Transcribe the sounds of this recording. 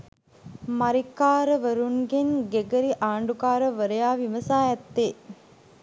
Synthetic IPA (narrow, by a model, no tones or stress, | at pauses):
maɾikaːɾəʋəɾunɡenɡeɡəɾiʔaːɳɖukaːɾəʋəɾəjaːʋiʋəsaːjɛt̪ːe